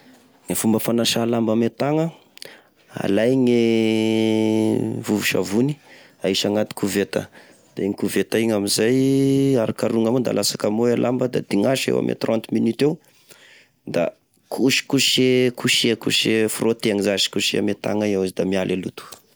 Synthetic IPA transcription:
ŋefumbəfanaʃalambamet̪aŋə | a̰lajŋe | vuvuʃa̰vuni | aiʃaŋat̪i̥kʰuvet̪ə̰ | d̪̥eeŋikuvet̪aiɲamizajaɾakaɾuŋamond̪a̰lʔasakamoelʔambəd̪a̰d̪iŋaʃḛwa̰mʔḛt̪rɔ̃nt̪minyt̪ew | d̪a̰ | kʰuʃi̥kuʃekuʃekṵʃefrot̪eaŋizaʃi̥kuʃiamet̪a̰ŋaiawazid̪amialʔelut̪u̥

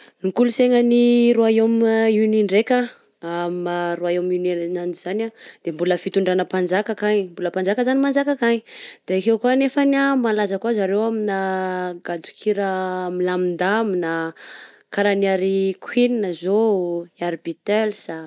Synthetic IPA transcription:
nikuluseŋəniɾoaemuniɳɖ͡ʐeka | amaɾoaeminananizanad̪̥embuləfit̪uɳɖ͡ʐanəpand͡ʒakakaɲmbuləpand͡zakəzanimand͡zakakaɲid̪̥akewkuanefanamalazəkuazaɾewaminaɡad̪u̥kʰiɾəmilamind̪amina | kaɾaniaɾikʰwininəzoiaɾbit̪elsa

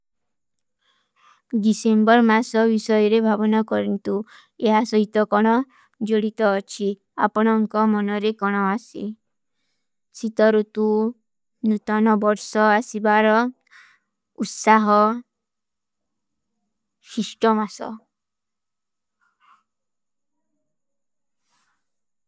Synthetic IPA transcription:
disembɔɾmasɔbisɔjɔɾebʱabɔnakɔɾɔnt̪u | eɦasɔɦit̪ɔkɔɽ̃ɔ | d͡ʒoɽit̪ɔːt͡ʃʰi | a̰pɔɽ̃ɔŋkɔmɔnɔɾekɔɽ̃ɔasḭ | sit̪ɔɾut̪u | nut̪ɔnɔbɔɾsɔasibaɾɔ | ut̪saɦɔ | sisʈɔmasɔ̰

